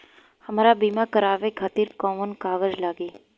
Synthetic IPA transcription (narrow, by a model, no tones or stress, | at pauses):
həmaːɾabimãkəɾaʋekʰat̪iːɾkɔmənkaːʋəɾd͡ʒlaːɡe